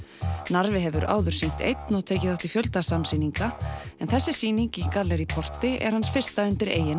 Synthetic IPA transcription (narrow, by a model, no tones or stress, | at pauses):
naɾvɪɦɛvʏɾʔa̰ːwðʏɾ̥siŋ̥t̪ḛjt̪nɔt̪ʰeːjcɪθaht̪ɪ̥fjœlt̪asamsiːniŋkaɛnθɛsːɪsiːniŋcikalɛɾipʰɔr̥t̪ɪɛ̰ɾ̥hansfɪr̥st̪aʏnt̪ɪɾḛːjɪna